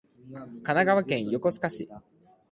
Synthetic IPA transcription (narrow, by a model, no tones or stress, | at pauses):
kanaɡaβakẽ̞ɰ̃jo̞ko̞t͡sɨ̥kaɕi